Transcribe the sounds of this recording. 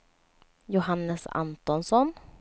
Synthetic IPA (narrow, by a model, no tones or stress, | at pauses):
jʊɦanːəsa̰nt̪ɔnsɔn